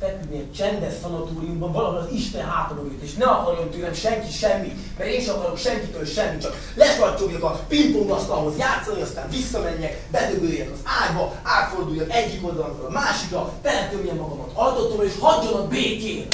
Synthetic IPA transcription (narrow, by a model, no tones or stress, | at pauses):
fɛt̪ud̪niɛt͡ʃɛnd̪ɛsfɒnɒt̪oːɾijumbɒɱvɒlɒɦolɒziʃt̪ɛnɦaːt̪oɾoɡet̪eːʃnɛɒkɒɾjomt̪øːlɛmʃɛŋkiʃɛmːit̪ | mɛɾeːnʃɒkɒɾo̞kʃɛŋkit̪ølʃɛmːit͡ʃɒk | lɛfɒrt͡ʃoɡjɒkɒt̪pint̪oŋdɒst̪ɒlɦo̞zjaːt̪sːɒniɒst̪aːɱvisːɒmɛɲːɛk | bɛd̪øbøːjɛkɒzaːjbɒaːt̪fo̞rd̪ujːɒnɛɟːiko̞ld̪ɒlɒfølɒmaːʃikɾɒfɛlːɛt̪øbijɛmːɒɡɒmɒt̪ɒld̪ot̪omeːʃhɒɟːonɒkbeːkeː